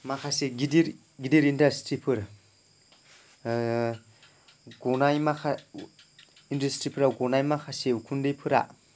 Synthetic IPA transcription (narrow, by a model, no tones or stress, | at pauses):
makʰaseɡidiɾ | ɡidiɾindastɾipʰɯɾ | ɡɔnajmakʰa | indastɾipʰɯɾawɡɔnajmakʰasekʰundejpʰɯɾa̰